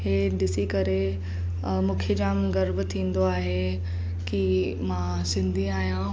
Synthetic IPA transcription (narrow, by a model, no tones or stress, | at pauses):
ɦeːɗɪsikɐɾe | mũːkʰed͡ʑaːmɡɐɾbt̪ʰĩːn̆d̪oaːɦe | ki | mã | sɪ̃nd̪ʱiaːɦijã